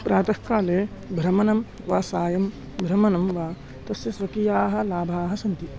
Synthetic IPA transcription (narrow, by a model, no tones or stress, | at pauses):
pɾʔaːt̪ɐhkaːleː | bʱɾɐmɐnɐm | ʋaːsaːjɐm | bʱɾɐmɐnɐmʋaː | t̪ɐsjɐsʋɐkijaːɦɐ̆laːbʱaːɦɐsɐnt̪i